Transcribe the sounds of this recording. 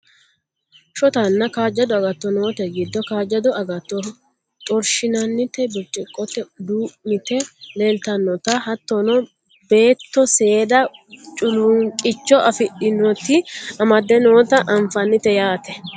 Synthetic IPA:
ʃɔt̪ɐnːɐkaːd͡ʒːɐd̪ɔɐɡɐt̪ːɔnoːt̪ɛɡɪd̪ːɔkaːd͡ʒɐd̪ɔɐɡɐt̪ːɔ | t̪ʼɔɾʃɪnɐnːɪt̪ɛbɪt͡ʃʼɪkʼːɔt̪ːɛd̪uːmɪt̪ɛleːlt̪ɐnːɔt̪ɐhɐt̪ːɔnɔ | be̞ːt̪ːɔse̞ːd̪ɐt͡ʃʼʊlʊŋkʼɪt͡ʃːɔʔɐfɪɗɪnɔt̪ːɪɐmɐd̪ːɛnoːt̪ɐʔɐɱfɐnːɪt̪ɛjaːt̪ɛ

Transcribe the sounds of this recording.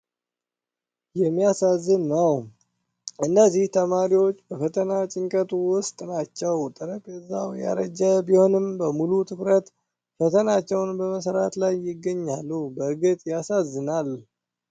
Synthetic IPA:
jɛmːijasazːɨnːəw | ʔɨnːəzːiht̪ʰəmaɾiwo̞t͡ʃːbəfət̪ʰənat͡ʃʼɪŋkʼət̪ʰuwʊst̪ʼnat͡ʃːɛwt̪ʼɨɾəpʼɛzːawja̰ɾəd͡ʒəbiho̞nɨmbəmulut̪ʰɨkɾət̪ | fət̪ʰənat͡ʃːɛwnbəməs̬əɾat̪lajːɪɡːəɲːalːubəɡɨt̪ʼjasazːɨnal

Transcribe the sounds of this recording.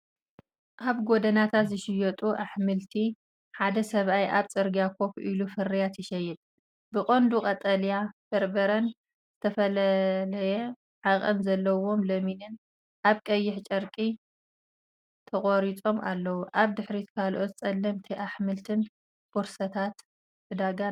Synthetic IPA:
ʔaβɡod̪ɐnat̪ʰat̪zɨʃɪjɔt̪ʼuʔaħmɨlt̪ʰi | ħad̪ɐsɐβʔajʔaβt͡sʼɨɾɡijakʰo̞pʔilufɨrijat̪ʰɪʃɐjːɛt̪ʼ | bɨqʼond̪ukʼɐt̪ʼɐljab̥ɐɾbɐɾɐn | z̥ɨt̪ʰɐfɐlɐlɐjɛ | ʕakʼɐ̰mzɐlːɐwo̞mlɐminɨn | ʔaβkʼɐjːɪħt͡ʃʼɐɾkʼi | t̪ʰɐχʼoɾit͡sʼo̞ma̰lːɐwuʔaβd̪ɨħɾit̪kʰalʔo̞t̪̚t͡sʼɐlːɐmt̪ʰiʔaħmɨlt̪ʰɨn | kʰoɾsɐt̪ʰat̪ | ɨd̪aɡa

